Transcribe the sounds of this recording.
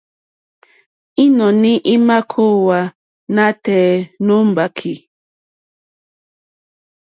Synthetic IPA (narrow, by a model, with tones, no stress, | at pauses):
i˦nɔ˨ni˦ʔi˦ma˦kʰo˦˨wa˨ | na˦tɛː˨no˦m˨ba˨kʰi˨